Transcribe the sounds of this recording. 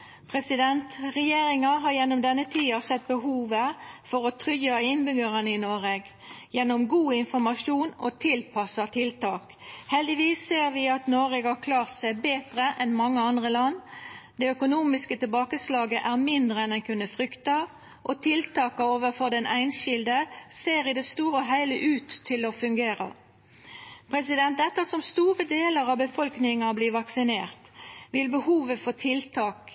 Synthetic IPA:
pʰʁɛsɪd̪ɛnt̪ʁɛjeːɾɪŋɑɦɑɾjɛnːɔmd̪ɛnːət̪ʰiːɑsɛt̪̚bəɦuːʋəfɔɾɔt̪ʰʁʏjɑɪnbʏɡəʁənəɪnoːʋeːɡ | jɛnːɔmɡuːɪnfɔɾmɑʃuːno̰t̪ʰɪlpʰɑsɑt̪ʰɪlt̪ɑːk | hɛld̪ɪʋiːsːeːʁʋɪɑt̪noːʋeːɡhɑʁkʰlɑːʁt̪sæɪbeːt̪ʁəʔɛnmɑŋːəɑnd̪ʁəlɑnːd̪ɛœkʊnuːmɪskət̪ɪlbɑːkəslɑːɡəʔæʁmɪnd̪ʁəɛnd̪ɛnkʰʉnːəfʁʏkt̪ɑ | ʔɔt̪ʰɪlt̪ʰɑːkɑoːʋəfɔʁd̪ɛnæɪnʃɪld̪əseːɾɪd̪ɛst̪uːɾəɔɦæɪləʔʉːt̪ʰːɪlɔfʉŋɡeːʁɑ̰ | pʰʁɛs̬ɪd̪ɛnt̪̚ɛt̪ːɑsɔmst̪uːʁəd̪eːləʁɑbəfɔlknɪŋɑbliːʋɑksɪneːʁt̪ʋɪlbəhuːʋəfɔt̪ʰɪlt̪ʰɑːk

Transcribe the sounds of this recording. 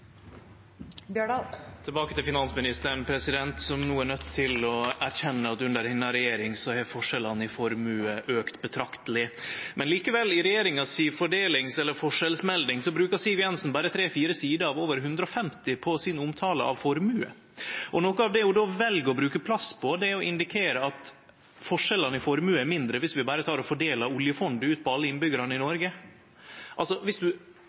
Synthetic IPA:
bjøt̪ʰɛlbɑːkət̪ʰɪlfɪnɑnsmɪnɪst̪əɾɳpʰɾɛsɪd̪ɛnt̪sɔmnuːænœt̪ʰːɪlɔæɾçɛnːəɑt̪ʉnd̪əɾhɪnːɑɾɛjeːɾɪŋsɔhɛɾfɔʂɛlɑnɪfɔɾmʉːəʔøːkt̪bət̪ʰɾɑkt̪əlɪmɛnliːkəʋɛlːɪɾɛjeːɾɪŋɑsiːfɔɖeːlɪŋsɛlːəɾfɔʂɛlsmɛld̪ɪŋsɔbɾʉːkɑsiːʋjɛnsnbæːɾət̪ʰɾeːfiːɾəsiːd̪əɑʋoːʋəɾɦʉnd̪ɾəɔfɛmt̪ɪpʰɔsɪnʊmt̪ʰɑːlə̰ʔɑ̰ʋfɔɾmʉːə̰ | ʔɔnoːkəɑʋd̪ɛjʊd̪ɔʋɛlɡəɔbɾʉːkəpʰlɑspʰɔd̪ɛɾɔʔɪnd̪ɪkʰeːɾəɑt̪ | fɔʂɛlɑnəɪfɔɾmʉːæɾmɪnd̪ɾəʋɪsʋɪbæːɾət̪ʰɑːɾɔfɔɖeːlɑʊljəfɔnd̪ʉːt̪̚pʰɔɑlːəɪnbʏɡəɾɑnəɪnɔɾɡə | ʔɑlsɔʋɪsd̪ʉ

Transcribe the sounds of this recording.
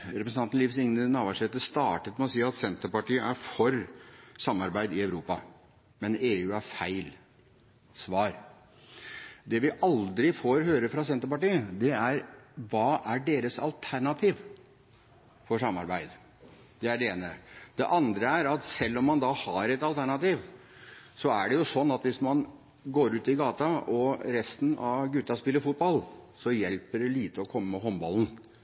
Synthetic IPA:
ɾɛpɾəsn̩ɑnt̪n̩lɪfsɪŋnənɑːʋɑʂɛt̪ːəst̪ɑːʈət̪mɛɔsiːɑt̪sɛnt̪əɾpɑʈiːəʔæɾfɔɾsɑmːɑɾbæɪd̪ɪɑʉɾuːpɑ | mɛneːʉːæɾfæɪl | sʋɑːɾ | d̪ɛʋɪʔɑld̪ɾɪfoːɾɦøːɾəfɾɑsɛnt̪əɾpɑʈiːəd̪ɛæɾʋɑːʔæɖeːɾəsɑ̰lt̪ʰæɳɑt̪ʰiːʋ | fɔʂɑmːɑ̰ɾbæɪd̪ | d̪̥ɛæɖɛeːnəd̪̥ɛ̰ʔɑnd̪ɾəæɾɑt̪sɛlːɔmːɑnd̪ɑhɑɾɛt̪ɑlt̪ʰæɳɑt̪iːʋ | sɔæ̰ɖɛjʊsɔnːɑt̪ʋɪsmɑn | ɡoːɾʉːt̪ɪɡɑːt̪ɑɔɾɛst̪n̩ɑʋɡʉt̪ːɑspɪlːəɾfʊt̪̚bɑlsɔjɛlpəɖɛliːt̪əɔkʰɔmːəmɛɦɔmbɑ̰ln̩

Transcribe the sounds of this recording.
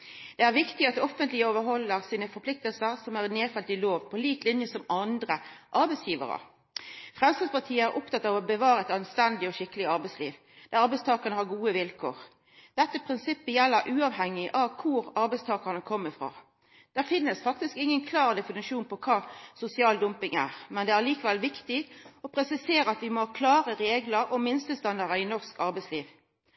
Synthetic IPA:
d̪̥ɛæʁʋɪkt̪ɪɑt̪̚d̪ɛɔfənt̪lɪəoːʋəɾɦɔlːəʁsiːnəfɔpʰlɪk̚t̪əlsəʁsɔmæʁɛneːfɛlt̪ɪloːʋpʰɔliːk̪lɪnjəsɔmɑnd̪ʁəʔɑɾbɛɪsjiːʋə̰ɾə̰ | fʁɛmst̪əspɑʁt̪ʰiːəæɾʔʊpt̪ɑt̪ːɑːʋɔbəʋɑːɾəɛt̪ɑnst̪ɛnd̪ɪɔʃɪkːəlɪɑɾbɛɪslḭːʋ | d̪̥æʁɑɾbɛɪst̪ʰɑːkəʁnəhɑʁɡuːəʋɪlkʰo̰ːʁ | d̪̥ɛt̪ːəpʰʁɪnsɪpːəjɛlːəɾʔʉːɑʋhɛŋːɪʔɑʋkʰʊɾɑɾbɛɪst̪ʰɑːkəʁnəkʰɔmːəfʁɑ̰ː | d̪̥æʁfɪnːəsfɑk̚t̪ɪskɪŋːənkʰlɑːʁd̪ɛfɪnɪʂuːnpʰɔkʰɑːsʊsɪɑːld̪ʊmpɪŋæ̰ːʁmɛnd̪ɛæʁliːkəʋɛlʋɪkt̪ɪɔpʰʁɾɛsɪseːɾəɑt̪ʋɪmokʰlɑːʁəɾeːɡləɾʔɔmɪnst̪əlst̪ɑnd̪ɑʁəɪnɔʁskɑɾbɛɪsliːʋ

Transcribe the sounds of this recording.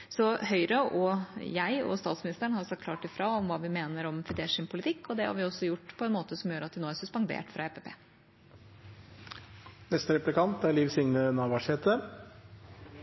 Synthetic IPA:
sɔhœʏɾəʔɔjæɪɔ̰st̪ɑːt̪smɪnɪst̪əɳhɑɾsɑt̪̚kʰlɑ̰ːʈɪfɾɑɔmʋɑːʋɪmeːnəɾɔmfɪd̪eːʂɪnpʰʊlɪt̪ʰɪkːɔd̪ɛhɑ̰ɾʋɪɔsːɔjʊʈːpʰɔɛnmoːt̪əsɔmjøːɾɑt̪̚d̪ɪnoːæɾsʉspɑŋd̪ḛːʈfɾɑ̰eːpepʰḛː | nɛst̪əɾɛplɪkɑnt̪æɾliːʋsɪŋnənɑːʋɑʂeːt̪ə

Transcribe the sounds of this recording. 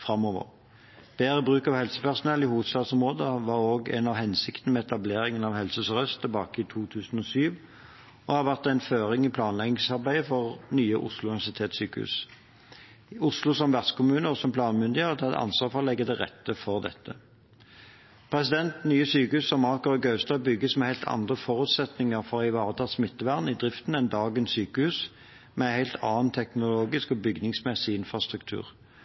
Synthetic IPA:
fʁɑmɔːʋə̰ʁ | b̥eːʁəbʁʉːkɑʋhɛlsə̥pæʁsʊnɛlːɪhuːʋəd̪st̪ɑːd̪sɔmʁoːd̪əʋɑʁoːɡɛ̰nɑʋhɛnsɪkt̪ənəmɛɛt̪ɑbleːʁɪŋənɑʋhɛlsəsʁœst̪əbɑːkəɪt̪ʰuːt̪ʰʉːsn̩ɔsyːʋ | ɔhɑʋæʁt̪æɪnføːʁɪŋipʰlɑːnlɛɡnɪŋsɑʁbæɪəfɔʁnyːəʔʊ̰slʊnɪʋæsɪt̪ʰeːt̪syːkəhʉ̰s | ʊslʊsɔmʋæʁskʊmʉːnəɔsɔmpʰlɑːnmʉnd̪ɪeːʁt̪ʰɑd̪ʔɑ̰nsʋɑːʁfɔʁɔlɛɡːəd̪ɛʁɛ̰t̪ːəfɔʁd̪ɛ̰t̪ːə | pʰʁɛsɪd̪ɛnt̪nyːəsyːkəhʉːsɔmɑʁkəʁɡɑʉst̪ɑːbʏɡəsmɛhæɪlt̪ʰɑ̰nd̪ʁəfɔʁʉːt̪sɛt̪nɪŋəʁfɔʁɪʋɑːʁt̪ʰɑt̪smɪt̪ːəʋæʁd̪nɪd̪ʁɪft̪nɛnd̪ɑːɡənssyːkəhʉːs | mɛæɪhæɪlt̪ʰɑːnt̪ʰɛknʊloːɡɪskɔbʏɡnɪŋsmɛsɪɪnfʁɑst̪ʁʉk̚t̪ʰʉ̰ːʁ

